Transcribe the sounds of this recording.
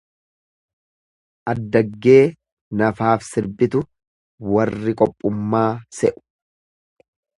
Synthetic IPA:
ʔɐd̪ːɐɡːe̞ː | nɐfaːfsɪɾbɪt̪ʊ | wɐrːɪkʼɔpʼːʊmːaːsɛʔʊ̥

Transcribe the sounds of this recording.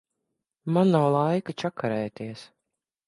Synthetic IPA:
manːawlˠajkat͡ʃakʰaɾɛjt̪iɛs

